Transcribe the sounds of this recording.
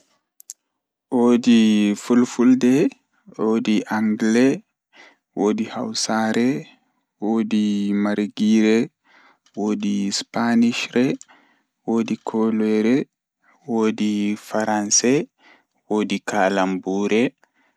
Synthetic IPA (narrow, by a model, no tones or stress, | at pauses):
ʔoːdifulfuldɛ | ʔoːdiʔaŋɡlɛ | woːdihawsaɾɛ | woːdimaɾɡiɾɛ | woːdispaniʃɾɛ | woːdikʰɔlɛɾɛ | woːdifaɾansɛ | woːdikaːlambuːɾɛ